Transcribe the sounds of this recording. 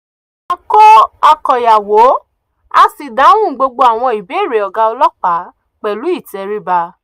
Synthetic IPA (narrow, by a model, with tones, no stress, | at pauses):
a˦˧ko˦a˧kɔ˨ja˨wo˨˦ | a˧si˨dã˨˦ũ˦˨ɡ͡bo˧ɡ͡bo˧˦a˨w̃ɔ̃˧˨i˨be˨˦˨ɾe˨ɔ˨ɡa˧ɔ˧lɔ˦k͡pa˨˦ | k͡pɛ˨lu˨˦i˦˨tɛ˨˧ɾi˦ba˧